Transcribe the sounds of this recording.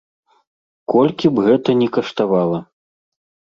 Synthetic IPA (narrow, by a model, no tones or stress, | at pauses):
kɔlʲkʲibɣɛt̪ɐnʲɛkɐʂt̪avalˠɐ